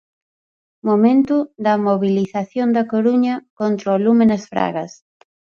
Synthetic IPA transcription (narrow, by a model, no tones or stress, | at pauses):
momẽnt̪ud̪ɐmoβiliθaθjond̪ɐkoɾuɲɐkont̪ɾoalumenɐsfɾa̰ɣɐs